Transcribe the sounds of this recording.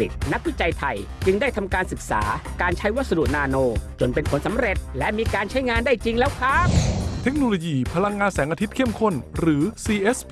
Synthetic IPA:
i˨˩t̪̚na˦˥k̚wi˦˥t͡ɕa˧jt̪ʰa˧j | t͡ɕɯ˧ŋdaː˥˩jt̪ʰa˧mkaː˧nsɯ˨˩k̚sa̰ː˩˦kaː˧nt͡ɕʰa˦˥jwa˥t̪̚sa˧du˨˩ʔnaː˧noː˧t͡ɕo˨˩npe˧npʰo˩˦nsa˨˦mɾe˨˩t̪̚lɛ˦˥ʔmiː˧kaː˧nt͡ɕʰa˦˥jŋaː˧ndaː˥˩jt͡ɕi˧ŋlɛː˦˥wkʰaː˦˥˩p̚t̪ʰe˦˥k̚noː˧loː˧jiː˧pʰa˧la˧ŋːaː˧nsɛː˩˦ŋʔaː˧t̪ʰi˦˥t̪̚kʰe˥˩mkʰo˥˩nɾɯː˩˦siː˧ʔe˦˥s

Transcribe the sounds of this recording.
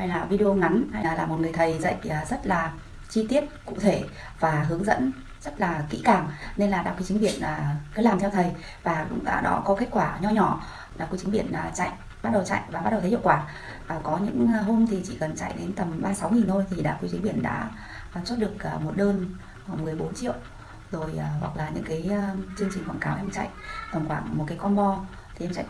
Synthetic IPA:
ha˧jlaː˨˩vi˧ɗo˧ŋa˨˦nha˧jlaː˨˩laː˨˩mo˨˩t̚ŋɨ˨˩əjt̪ʰə˨˩jzə̰˧˨ʔəː˨˩zə˦˥t̚laː˨˩ | t͡ɕi˧t̪i˦˥əp̚kʊ̰˧˨t̪ʰe˧˩ | vaː˨˩ɦɨ˨˦əŋzə̰˧˥n | z̥ə˦˥t̚laː˨˩kḭ˧˥kaː˨˩ŋne˧nlaː˨˩aː˧˩ku˧˦t͡ɕi˨˦ŋɓi˧˨˩ənʔəː˨˩kə˨˦laː˨˩mt̪ʰɛ˧wt̪ʰə˨˩j | va̰ː˨˩˧ŋ͡mʔa̰˧˨˩ɗɔ̰˨˦kɔ˨˦ke˦˥t̚kwaː˧˩ɲɔ˧ɲɔ˧˩˨ | ɗaː˧˨˩ku˧˦t͡ɕi˨˦ŋɓi˧˩˨ənː˨˩t͡ɕa̰˧˨jʔ | ɓa˦˥t̚ɗə˨˩wt͡ɕa̰˧˨jʔvaː˨˩ɓa˦˥ɗə˨˩t̪ʰhḭ˧˨kwaː˧˩ | ʔːkɔ˨˦ɲɨ̰˧˥ŋ˨ɦo˧mt̪ʰi˨˩t͡ɕḭ˧˨kə˨˩nt͡ɕa̰˧˨jɗe˨˦nt̪ə˨˩mɓaː˧sa˨˦wŋi˨˩nt̪ʰo˧jt̪ʰi˨˩ɗa̰ː˧˩ku˧˦t͡ɕi˨˦ŋ̟ɓi˧˩ənɗa̰ː˧˥˨ | swt̚ɗɨ˨˩ək̚ʔmo˨˩t̚ɗəː˧n | ho˧˩mɨ˨˩əjɓo˨˦nt͡ɕḭ˧˨əw | zo˨˩jːwa˨˩k̚laː˨˩ɲɨ̰˧˥ŋkaː˨˦jt͡ɕɨ˧əŋt͡ɕï˨˩ŋ̟kwa̰˧˩ŋkaː˨˦whɛ˧mo˨˩t͡ɕa̰˧˨jʔt̪ə˨˩ŋ͡mkwaː˧˩ŋmo˨˩t̚kaː˨˦kɔ˧nɓɔ˧ | t̪ʰi˨˩ʔɛ˧mt͡ɕa̰ɛ̰˧˨

